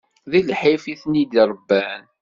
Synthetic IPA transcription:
ðilħifiθnid̪iɾˤbːæn

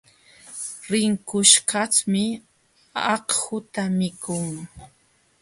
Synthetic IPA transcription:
ɾɪŋkʊʃkɑt͡smɪ | ɑqhʊt̪amɪkʊŋ

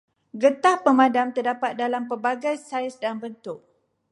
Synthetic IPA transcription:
ɡət̪ahpəmãdamt̪ərdapat̪̚dalampəbaɡajsajsdanbənt̪ʊʔ̚

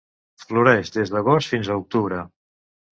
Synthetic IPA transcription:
fluɾɛʒd̪ezðəɣost̪finzəuk̚t̪uβ̞ɾə

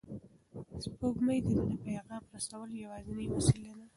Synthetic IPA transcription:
spoɡməjd̪əɾanapajaɣɑmpəɾasawəljawɑzɪnimasilad̪a

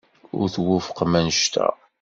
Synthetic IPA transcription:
ʊ̰ɾθwʊfə̥qmænəʃt̪ʰæ̰

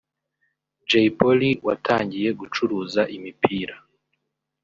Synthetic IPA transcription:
d͡ʒeipoliwʔa̰tʰaːɲɟije̞ɡut͡ʃuɾuːzaʔimipiːɾa

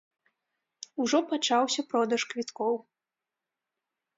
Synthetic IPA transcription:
uʐɔpat͡ʂawsʲɐpɾɔd̪ɐʂkvʲit̪kɔw

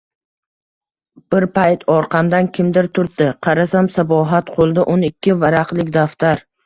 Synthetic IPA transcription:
b̥ɪɾpʰajt̪ʰɒɾqʰɑmd̪ankʲʰɪmd̪ɪɾt̪ʰʊɾd̪ɪqʰɑɾasamsabɒɦat̪qʰolˠd̪ɪʔʊnɪkʲʰːɪvaɾaqlɪkʲd̪aft̪aɾ

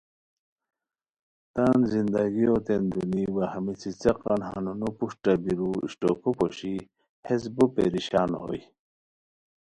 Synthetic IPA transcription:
t̪aːnzind̪aɡiot̪end̪uniwahamit͡sit͡seqɑnha̰nunupuʂʈabiɾuḭɕʈokopoɕi | hes̬bupḛɾiɕaːno̰j

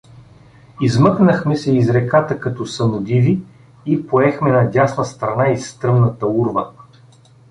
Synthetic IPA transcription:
izmɤknəxmɛsɛizɾɛkat̪əkɐt̪ɔsɐnʊd̪iviː | poɛxmɛnɐdʲasnɐst̪ɾɐnaist̪ɾɤmnət̪əuɾvə

